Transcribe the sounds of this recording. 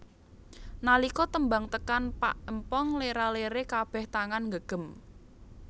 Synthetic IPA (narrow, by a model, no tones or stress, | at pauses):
nalikɔt̪əmbaŋt̪əkanpa̰ʔəmpɔŋleɾaleɾekab̥ɛ̤ht̪aŋanŋɡəɡ̥ə̤m